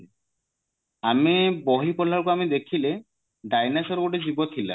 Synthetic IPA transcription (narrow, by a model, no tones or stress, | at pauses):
amiboɦipɔlːaɾkoamid̪ekʰile | ɖajnasɔɾɡoʈed͡ʑibot̪ʰːila̰